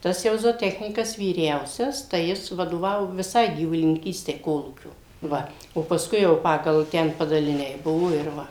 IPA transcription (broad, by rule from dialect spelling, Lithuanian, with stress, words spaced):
ˈtɐs jɛʊ zoːˈtʲæːxʲnʲiːkɐs ʋʲiːˈrʲɛʊsʲɛs tɐɪ ˈjɪs ʋɐdoːˈʋɑːʋoː ʋʲɪˈsɐɪ ɡʲiːʋʊlʲɪnʲɪŋʲˈkʲiːsʲtʲɛɪ ˈkoːlˠuːkʲoː ˈʋɐ oː pɐˈskʊɪ jɛʊ ˈpɑːɡɐlˠ ˈtʲɛn pɐdɐlʲɪˈnʲɛɪ ˈbʊʋoː ɪr ˈʋɐ